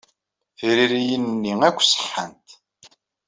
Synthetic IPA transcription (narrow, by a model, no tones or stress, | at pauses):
θiɾiɾijənnːiækʷːsə̥ħːə̰nt̪